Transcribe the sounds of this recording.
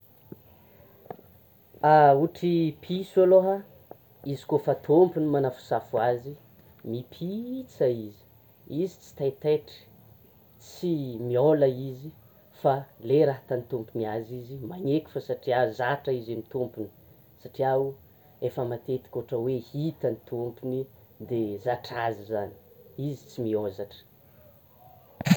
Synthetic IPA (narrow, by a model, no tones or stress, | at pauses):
auʈ͡ʂipʰisualoɦə | izi̥kofat̪ʰompunimanafu̥safuazi | mipʰit͡saizi̥ | izit͡si̥t̪at̪eʈ͡ʂi̥ | t͡simiolaizi | faleɾaɦat̪anit̪umpuniazizimaɲekʲi̥fəsaʈ͡ʂiazaʈ͡ʂaizemit̪umpuni̥ | saʈ͡ʂiau | efəmat̪et̪i̥kʲoʈ͡ʂəwehit̪anit̪umpuni | d̪ezaʈ͡ʂazizani̥izit͡simiozaʈ͡ʂə̥